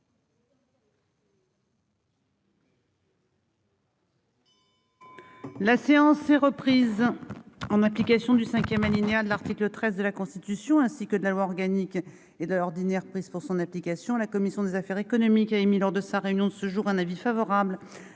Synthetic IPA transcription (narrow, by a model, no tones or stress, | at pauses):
laseɑ̃sɛʁəpχiz | ɑ̃naplikasjɔ̃d̪ysɛ̃kʲjɛmalinead̪əlaʁt̪iklət̪χɛzd̪əlakɔ̃st̪it̪ysjɔ̃ɛ̃sikəd̪əlalwaɔʁɡanik | ed̪əlɔʁd̪inɛʁpχiz̥puʁsɔ̃naplikasjɔ̃lakɔmisjɔ̃d̪ezafɛʁekɔnɔmikaemilɔʁd̪əsaʁeynjɔ̃d̪əsəʒuʁɛ̃navifavɔʁabl